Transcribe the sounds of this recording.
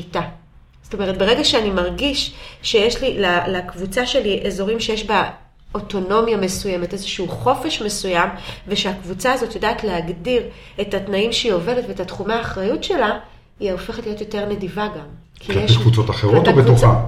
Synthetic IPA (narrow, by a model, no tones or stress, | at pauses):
ita | z̥o̥to̞me̞ʁ̞et̚beʁeɡaʃeanimaʁɡiʃʃe̞jeʃlilalakvut͡saʃe̞liʔezo̞ʁimʃejeʃba | oto̞no̞mjamesuje̞metezeʃuuχo̞fe̞ʃme̞sujamve̞ʃeakvut͡saːzo̞tjodaːtleɦaɡdiʁe̞tatnaimʃeio̞ve̞letvetatχumaːχʁajutʃe̞la | iaofe̞χatlijo̞t̪jo̞te̞ʁne̞divaɡam | kʰieekvut͡so̞taχeʁotobetoχa